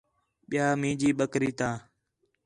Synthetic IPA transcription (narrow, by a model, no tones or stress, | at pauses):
ɓɪjaːmĩːd͡ʒiːɓəkɾiːt̪ãː